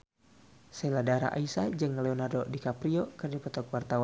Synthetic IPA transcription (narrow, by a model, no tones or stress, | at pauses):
sɛladaɾa̰ʔa̰isad͡ʒɨŋlɛonardodikapɾiokɨrdipɔt̪ɔkwart̪awa